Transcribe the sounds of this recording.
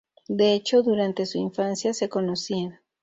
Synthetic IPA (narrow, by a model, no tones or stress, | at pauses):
d̪eet͡ʃoðuɾant̪esuiɱfansjasekonosiða